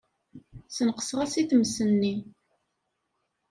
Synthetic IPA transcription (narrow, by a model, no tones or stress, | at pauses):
sənqə̥sʁasiθmsənːi